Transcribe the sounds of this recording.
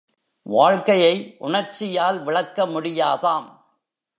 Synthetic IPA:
ʋaːɻkɐjɐɪʔʊɳɐɾt͡ʃɪjaːlʋɪɻɐkːɐmʊɽɪjaːðaːm

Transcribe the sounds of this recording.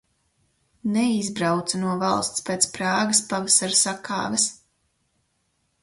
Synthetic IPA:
nɛizbɾawt̪sanuɔvalˠst̪speːt̪spɾaːɡaspavasaɾsakʰa̰ːvɛs

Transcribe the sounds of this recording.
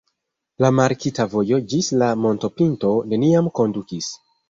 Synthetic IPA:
lamaɾkitavo̞jo̞d͡ʒislamo̞nto̞pinto̞ne̞niamko̞ndukis

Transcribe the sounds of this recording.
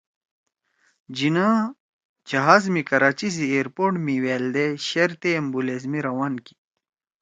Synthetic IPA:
d͡ʑinãː | d͡ʑɐɦaːzmikɐɾaːt͡ɕizieːɾpoːʈmiweːld̪eɕeɾt̪eːmbulezmiɾɐwaːnki̥

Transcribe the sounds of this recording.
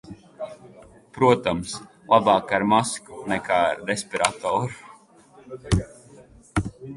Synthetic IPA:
pɾuɔt̪ams | lˠabaːkaɾmasku̥nɛkʰaːaɾːesʲpʲiɾa̰t̪ɔːɾu

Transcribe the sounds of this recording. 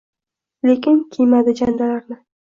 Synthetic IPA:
lekʲɪnkʲʰejmad̪ɪd͡ʒand̪alaɾnɪ

